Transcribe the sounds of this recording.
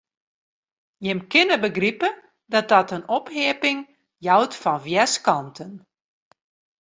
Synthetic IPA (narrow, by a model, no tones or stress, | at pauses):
jɪmkɪnəbəɡripə | dɔt̚dɔtənɔpheəpɪŋ | jawtfɔnvjɛskɔntʰən